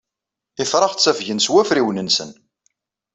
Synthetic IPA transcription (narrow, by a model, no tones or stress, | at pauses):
ɪfɾˤɑʁt͡sːæfʝənswæfɾiwnənsə̰n